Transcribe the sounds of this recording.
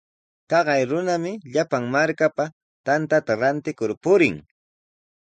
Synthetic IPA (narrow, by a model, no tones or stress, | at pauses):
t̪ɑɢɑjɾʊnamɪʎapaŋmaɾkapa | t̪ant̪at̪aɾant̪ɪkʊɾpʊɾɪŋ